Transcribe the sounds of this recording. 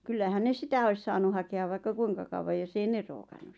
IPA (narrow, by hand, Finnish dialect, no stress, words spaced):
kylːæhæn ne sitæ ois sɑːnu hɑkeɑ ʋɑikːɑ kuiŋkɑ kɑuwɑ josː ei ne roːkɑnːus